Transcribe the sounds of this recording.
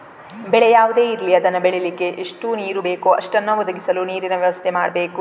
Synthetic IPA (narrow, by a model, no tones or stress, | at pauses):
bɛɭɛjaːʋud̪e̞ːiɾliɐd̪ɐnːɐbeɭelikːe̞ʔeʂʈuniːɾube̞ːkuɐʂʈɐnːɐʋɔd̪ɐɡisɐluniːɾinɐʋjɐʋɐst̪ʰemaːɽɐbeːku